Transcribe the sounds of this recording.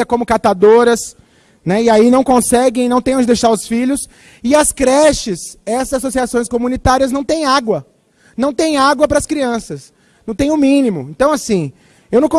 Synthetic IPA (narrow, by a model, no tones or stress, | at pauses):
ɐkõmʊkat̪ad̪oɾɐs | nɛɪainɐ̃w̃kõsɛɡẽj̃nɐ̃w̃t̪ẽj̃ɐ̃d͡ʒɪd̪ejʃaɾʊsfiʎʊs | ɪɐskɾɛʃɪsɛsɐzasosiasõj̃skomũnit̪aɾiɐznɐ̃w̃t̪ẽj̃aɡwɐ | nɐ̃w̃t̪ẽj̃aɡwɐpɾɐskɾiɐ̃sɐs | nɐ̃w̃t̪ẽj̃ʊmĩnimʊẽnt̪ɐ̃w̃asĩ | ewnɐ̃w̃kõ